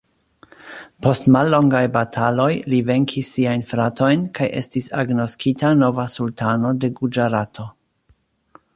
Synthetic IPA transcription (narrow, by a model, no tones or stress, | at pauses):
po̞stmalːo̞ŋɡajbatʰalo̞jlive̞ŋkʰisːiajnfɾato̞jnkʰajʔe̞̰stisa̰ɡno̞skʰitano̞vasultano̞de̞ɡud͡ʒaɾatʰo̞